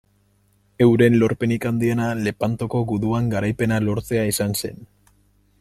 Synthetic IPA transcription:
e̞wɾe̞nlo̞ɾpe̞nikand̪ienale̞pant̪oko̞ɣuðuaŋɡaɾajpe̞nalo̞ɾt͡se̞aisanse̞̰n

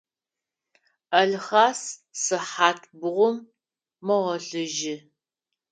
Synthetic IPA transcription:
ɐɮχaːssɨħaːtʰbʊʁʷʊmː | ɐʁɐɬɨʒɪ

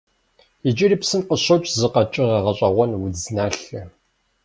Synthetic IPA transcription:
id͡ʒʼɪɾipsɨnqəɕɐt͡ʃʼzɨqɐt͡ʃʼɪʁɑʁɐɕʼɐʁʷɔnwʊd͡znaːɬɨ

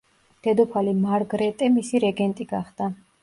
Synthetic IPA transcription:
d̪̥ɛd̪ɔpʰalimaɾɡɾɛt̪ʼɛmisiɾɛɡɛnt̪ʼiɡaχd̪a

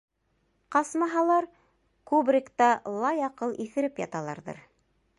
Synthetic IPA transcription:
qɑsmɑɦɑlˠɑɾ | kubrʲɪkt̪ɑlˠɑjɑqɤlˠiθɘ̆ɾɘpjɑ̰t̪ɑlˠɑ̰ɾðɤ̰ɾ

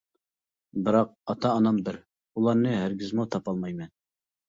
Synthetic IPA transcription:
bɨɾɑq̚ɑt̪ʰɑːnɑmbɪɾ | ulˠɑɾnɨɦæɾɡʲɪzmut̪ʰɑpɑlˠmɑjmɛn

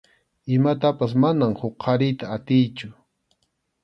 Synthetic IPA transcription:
ɪmat̪apasmanamhʊqqʰːɑɾɪjt̪aːt̪ɪjt͡ʃʊ

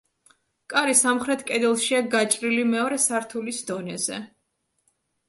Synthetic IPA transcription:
kʼaɾisamχɾɛt̪ʰkʼɛd̪ɛlˠʃiaɡat͡ʃʼɾilimɛɔɾɛsaɾt̪ʰulisd̪ɔnɛzɛ̰

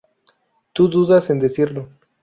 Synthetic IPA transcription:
t̪uðuðase̞nd̪esiɾlo

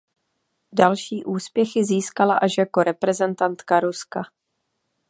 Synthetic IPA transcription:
dalʃiːʔuːspjɛxɪziːskalaʔaʃjako̞ɾɛpɾɛzɛnt̪ant̪kaɾuska

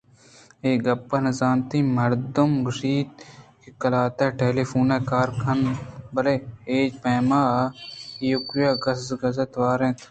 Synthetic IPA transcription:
eːɡɐpːənɐzaːnt̪iːmɐɾd̪ʊmɡəʃiːd̪̚kikəlaːt̪eːʈeːliːfuːneːkaːɾkʰɐnbɐleːeːd͡ʒpeːmaː | jʊkjaːɡɐsɡɐzet̪ʋaːɾẽːt̪ʰ

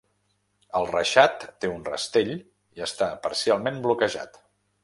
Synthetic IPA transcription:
əlˠrəʃat̪ːeunrə̰st̪eʎ | iəst̪apə̰ɾsialˠmemblukəʒa̰t̪

